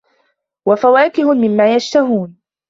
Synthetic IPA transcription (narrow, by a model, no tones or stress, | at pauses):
wafawaːkɪhʊmɪmːaːjaʃt̪aɦuːn